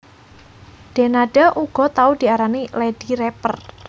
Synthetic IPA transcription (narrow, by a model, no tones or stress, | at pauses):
d̥e̤naɖ̥aʔuɡ̥ɔ̤t̪aud̪̥i̤aɾaniled̥iɾɛpər